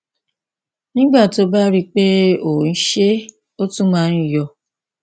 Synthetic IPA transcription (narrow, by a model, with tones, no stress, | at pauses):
nĩ˦ɡ͡ba˦˨to˨˦ba˦ɾi˦k͡pe˦o˨n̩˦ʃe˦ | o˦tũ˦mãː˦n̩˦jɔ˧